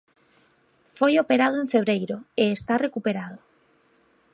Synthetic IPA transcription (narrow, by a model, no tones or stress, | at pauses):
fojopeɾaðoeɱfeβ̞ɾejɾoeːst̪arekupeɾað̞o